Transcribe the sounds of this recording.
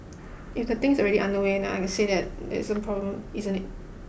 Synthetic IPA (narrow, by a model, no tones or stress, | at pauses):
ʔɪfdət̪ɪ̃ŋsɔɹɛɾiʔãndəwẽnɛ̃a̰jkɛ̃nseðɛt̚dɛ̰ɪsə̃npʰɹ̥ɔblə̃mizə̃nɪt̚